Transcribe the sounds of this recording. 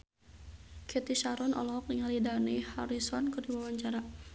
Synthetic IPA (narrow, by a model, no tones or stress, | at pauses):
kʰɛt̪iʃaɾɔnɔ̰lɔɔk̚iŋalidanihaɾisɔnkɨrdiwawaɲt͡ʃaɾa